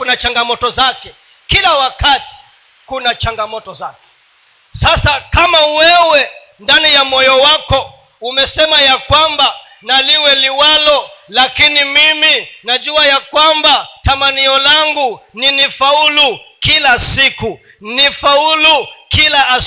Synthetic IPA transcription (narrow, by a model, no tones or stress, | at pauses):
kunat͡ʃaŋɡamɔtɔzakɛ | kilawakati̥ | kunat͡ʃaŋɡamɔtɔzakɛ̥ | sasakamawɛwɛ | ndanijamɔjɔwakɔ | umɛsɛmajakwamba | naliwɛliwalɔlakinimiminaʄuajakwambatamaniɔlaŋɡuninifaulukilasiku | nifaulukilaʔː